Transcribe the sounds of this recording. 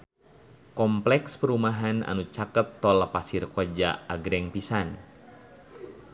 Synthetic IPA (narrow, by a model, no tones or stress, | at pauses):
kɔmplɛkspəɾumaɦanʔa̰nut͡ʃakət̪ːɔlapasirkod͡ʒa̰aɡɾɛŋpisan